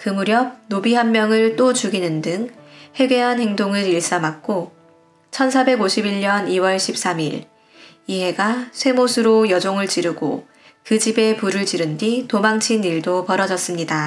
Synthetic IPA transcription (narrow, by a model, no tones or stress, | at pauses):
kɯmuɾjʌb̚nobiɦanmjʌŋɯɭt͈ot͡ɕuɡinɯndɯŋhe̞ɡe̞ɦanhe̞ŋdoŋɯɾiɭs͈amak̚k͈o | t͡ɕʰʌnsʰabe̞ɡoɕʰibiɭɲʌniwʌɭɕʰip̚s͈amiɾ | iɦe̞ɡasʰwe̞mosʰɯɾojʌd͡ʑoŋɯɭt͡ɕiɾɯɡo | kɯd͡ʑibe̞puɾɯɭt͡ɕiɾɯnditomaŋt͡ɕʰiniɭdopʌɾʌd͡ʑʌs͈ɯmɲida